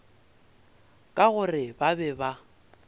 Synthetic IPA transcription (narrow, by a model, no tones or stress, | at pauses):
kʼaɣʊrɪbabɛba